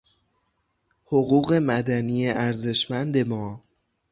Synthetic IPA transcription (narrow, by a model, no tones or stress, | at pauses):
hoɣuːɣe̞mæd̪æniːjeʔæɾze̞ʃmænd̪e̞mɒː